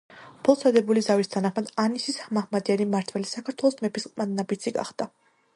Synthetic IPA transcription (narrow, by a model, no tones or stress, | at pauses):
bʰɔlˠsʰad̪ɛbulizavist̪ʰanaχmad̪anisisamahmad̪ianimaɾt̪ʰwɛlisakʰaɾt̪ʰwɛlˠɔsmɛpʰisqʼmannabit̪sʰiɡa̰χd̪̥a